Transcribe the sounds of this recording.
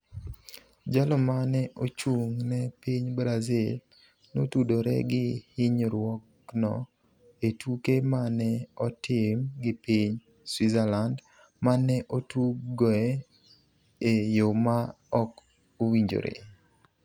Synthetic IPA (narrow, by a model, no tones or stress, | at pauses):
d͡ʒalɔmanɛʔot͡ʃuŋnɛpiɲbɾazil | notudoɾɛ̰ɡɪhɪɲɾwɔk | nɔ̰ | etukemanɛɔtʰɪmɡɪpiɲ | swizɛland | manɛʔotuɡɔɛ | ejoma | ɔk | owiɲd͡ʒo̰ɾḛ